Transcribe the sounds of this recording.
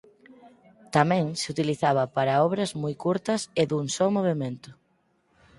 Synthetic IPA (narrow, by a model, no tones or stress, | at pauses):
t̪amɛ̃ŋsɪut̪iliθaβɐpaɾɐɔβɾɐzmojkuɾt̪ɐseðuŋsɔmoβ̞emẽnt̪ʊ̥